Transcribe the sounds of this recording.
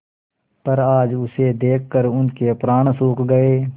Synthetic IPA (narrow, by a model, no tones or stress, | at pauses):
pəɾaːd͡ʒʊsed̪eːkːəɾʊnkepɾaːɳ̃suːkɡəeː